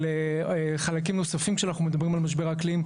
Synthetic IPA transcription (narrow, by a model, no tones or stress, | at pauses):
leχalak̬imno̞safimkʃeanaχnumed̪abʁimalmaʃ̬be̞ʁaklim